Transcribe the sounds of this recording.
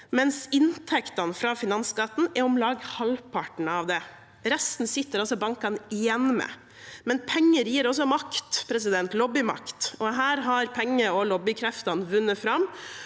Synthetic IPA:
mɛnsɪnt̪ʰɛkt̪ɑnfɾɑfɪnɑnskɑt̪n̩ɛɔmlɑːɡhɑlpʰɑʈɳ̩ɑʋd̪ɛ | ɾɛst̪n̩sɪt̪ːəɾɔsɔbɑŋkɑnɪjɛnːmɛ̰ | mɛnpʰɛŋːəɾjiːɾɔs̬ɔmɑkt̪pʰɾɛs̬ɪd̪ɛnt̪lɔbːɪmɑ̰kt̪ɔɦæːɾɦɑɾpʰɛŋːəɔlɔbɪkʰɾɛft̪ɑnʋʉnːəfɾɑm

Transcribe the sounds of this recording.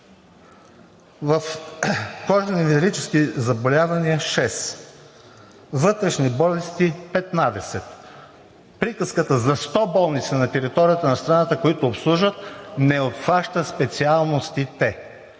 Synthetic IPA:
vɐf | kɔʒɛnivɛɾit͡ʃɛskizɐbolʲavɐniəʃɛs | vɤt̪ɾɛʃnibɔlɛst̪ipɛt̪nad̪ɛsɛt̪ | pɾikəskət̪əzɐst̪ɔbɔlˠnit̪sənɐt̪ɛɾit̪ɔɾijət̪ɐnɐst̪ɾɐnat̪əkoit̪ʊːpslˠuʒət̪nɛot̪faʃt̪əspɛt̪sialˠnost̪it̪ɛ

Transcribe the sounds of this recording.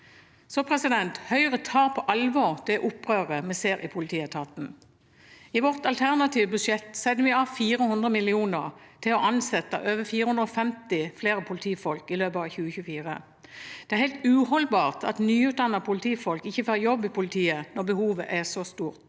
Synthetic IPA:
soːpʰʁɛsɪd̪ɛnt̪hœʏəʁət̪ʰɑːpʰɔʔɑlʋɔʁd̪̥ɛʔʊpːʁøːʁəmɛseːɾʔɪpʰʊlɪt̪ʰiːɛt̪ʰɑːt̪n̩ | ɪʋɔʁt̪ɑlt̪ʰæʁnɑt̪ʰiːʋəbʉʂɛt̪sɛnːəʋɪɑːʋfiːɾəhʉnd̪ʁəmɪlɪuːnəʁt̪ʰɪlɔʔɑnsɛt̪ːə̰ʔøːʋəfiːɾəhʉnəɔfɛmt̪ɪfleːɾəpʰʊlt̪ʰiːfɔlkɪløːpɑʋçʉːəçʉfiːʁə̰ | d̪̥ɛæɾhɛɪlt̪ʉːhɔlbɑːʁt̪ʰɑt̪nyːʉːt̪̚d̪ɑnːəpʰʊlt̪ʰiːfɔlkɪçːəføːɾjɔbːɪpʰʊlɪt̪ʰiːənɔʁbəhuːʋəʔæsɔst̪uːʁt̪

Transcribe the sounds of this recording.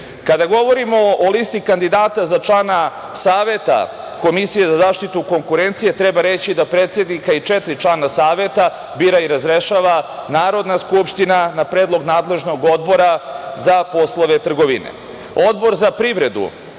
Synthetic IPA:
kad̪aɡo̞ʋoɾimo̞olist̪ikand̪id̪aːt̪azat͡ʂlˠaːna | saːʋe̞t̪a̰ | ko̞misije̞zazaːʃt̪it̪uko̞ŋkuɾe̞nt̪sije̞t̪ɾebaɾe̞t͡ɕid̪apɾeːt̪sʲe̞d̪nikait͡ʂet̪ɾit͡ʃlˠaːnasaːʋe̞t̪a | biːɾaiɾazɾeʃaːʋanaːɾo̞d̪naskupʃt̪inanapɾed̪lˠo̞ɡnaːd̪le̞ʒno̞ɡo̞d̪bo̞ɾazapo̞slˠoʋe̞t̪r̩ɡo̞ʋḭnḛ | od̪bo̞ɾzapɾiʋɾe̞d̪ṵ

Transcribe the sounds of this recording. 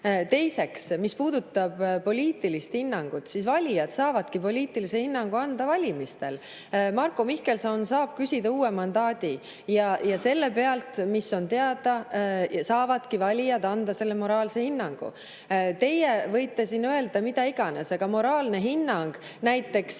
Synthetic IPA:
t̪e̞jse̞ksmispuːd̪̥ut̪ːˑɑb̥po̞lʲiːt̪ːˑilist̪hinːɑŋɡ̥ut̪sisvɑlʲijɑd̪̥sɑːvɑd̪̥kipo̞lʲiːt̪ːˑilisehinːɑŋɡ̥uɑnd̪̥ɑvɑlʲimist̪e̞̰l | mɑrkːomihke̞lsɑnsɑːb̥̚kysʲid̪ɑuːemɑnd̪ɑːd̪̥i | jɑjɑse̞lːe̞pe̞ɑlt̪miso̞nt̪e̞ɑd̪̥ɑsɑːvɑd̪kivɑlʲijɑd̪ɑnd̪ɑse̞lːe̞mo̞ɾɑːlse̞hinːɑŋɡ̥ṵ | t̪e̞jevɤ̞jt̪ːˑe̞sinːøe̞ld̪̥ɑmid̪̥ɑiɡ̥ɑnesɑɡ̥ɑmo̞ɾɑːlne̞ɦinːɑŋɡ̥næjt̪ːˑe̞ks

